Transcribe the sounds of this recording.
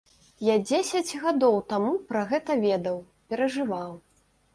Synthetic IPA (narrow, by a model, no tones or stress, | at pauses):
jad͡zʲesʲɐd͡zʲɣad̪ɔwt̪amupɾɐɣɛt̪ɐvʲɛd̪ɐw | pʲɛɾɐʐɨvaw